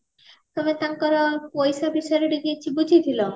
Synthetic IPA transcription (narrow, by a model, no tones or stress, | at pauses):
t̪omet̪aŋkɔɾɔpojsabisɔjɾeɖiɡit͡ʃʰibud͡ʑʱit̪ʰilɔ